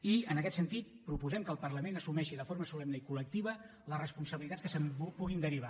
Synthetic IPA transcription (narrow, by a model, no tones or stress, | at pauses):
iənəkɛt̪sənt̪it̪̚pɾupuzɛmkəːlˠpərləmenəsumɛʃiðəfoɾməsulɛmnəikulək̚t̪iβ̞ə | ləsrəspunsəβilit̪ḁt͡sskəsəmpuɣind̪əɾiβ̞a